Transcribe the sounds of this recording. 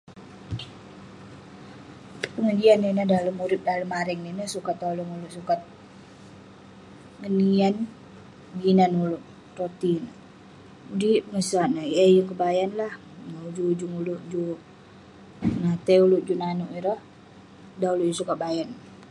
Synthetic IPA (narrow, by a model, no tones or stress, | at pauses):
pəŋəd͡ʒianːinəhdaləmuɾɪp̚daləmaɾɛŋninəsukat̪̚daloŋuluʔsukat̪̚ | ŋənian | ɡinanulʊʔ | ɾot̪inə | udipəŋəsaʔnəjajəŋkəbajanlah | maud͡ʒud͡ʒuŋulʊʔd͡ʒuʔ | nat̪ɛulʊʔd͡ʒuʔnanuʔiɾəh | dauluʔd͡ʒsukat̪̚bajan